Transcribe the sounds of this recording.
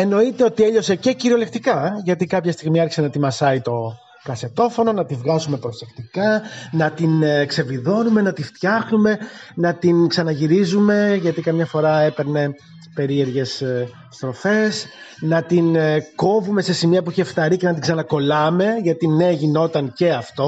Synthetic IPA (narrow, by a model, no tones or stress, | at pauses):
e̞no̞it̪e̞o̞t̪ie̞ʎo̞se̞ce̞ciɾio̞le̞kt̪ikɐʝɐt̪ikɐpçɐst̪iɣmiɐɾçi̥se̞nɐt̪imɐsɐit̪o̞ | kɐset̪o̞fo̞no̞nɐt̪ivɣɐzume̞pɾo̞se̞kt̪ikɐnɐt̪inkse̞viðo̞nume̞nɐt̪ift̪çɐxnume̞nɐt̪inksɐnɐʝiɾizume̞ʝɐt̪ikɐmɲɐfo̞ɾɐe̞pe̞ɾne̞ | pe̞ɾie̞ɾʝe̞s | st̪ɾo̞fe̞s | nɐt̪inko̞vume̞se̞simiɐpuiçeːfθɐɾice̞nɐt̪iɡsɐnɐko̞lɐme̞ʝɐt̪ine̞ʝino̞t̪ɐnce̞ɐft̪o̞